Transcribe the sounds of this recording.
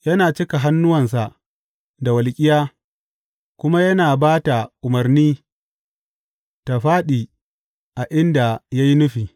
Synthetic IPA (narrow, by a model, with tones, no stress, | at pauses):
jɐ˦naː˨t͡ʃɪ˦ka˨ɦa˦nːʊ˦wɐ˨ns̬a˨ʔ | da˨wɐ˨lkʲʼɪ˦jaː˦ | kʷʊ˦ma˦jɐ˦naː˨baː˦ta˨ʔʊ˨mɐ˨rniː˦ | ta˨ɸaː˦ɗiː˨ | ʔa˨ʔɪ˦nda˨ja˦ji˦nʊ˦ɸiː˨